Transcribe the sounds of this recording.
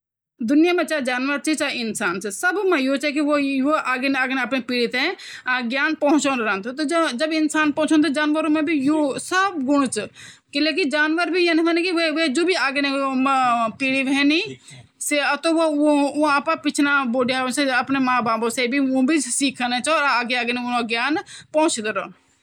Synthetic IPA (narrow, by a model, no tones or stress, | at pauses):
d̪ʊnɪjamẽt͡ʃaːd͡ʒaːnʋəɾt͡ʃit͡ʃaɪnsaːnsesəbmẽjot͡ʃɛkiʋojoʔaːɡeneaːɡneɐpnepiːɽit̪ẽaɡjaːnpəɦʊ̃t͡ʃonɾənt̪ot̪od͡ʒd͡ʒəbɪnsaːnpɦʊ̃t͡ʃʰõnt̪od͡ʒaːnʋəɾõmẽbʱijosəbɡʊɽ̃t͡ʃ | kilek̬id͡ʒaːnʋəɾbʱijenmənẽkiʋeʋed͡ʒoːbʱiaːɡene | piːɽiʋʱɛːni | set̪oʋoõaːpapɪt͡ʃʰnaboːɖijaseɐpnemãbãːbosebʱiũbʱisiːkʰənet͡ʃɔːɾaːɡeaːɡenenoɡjaːnpɔʊ̃t͡ʃd̪eɾon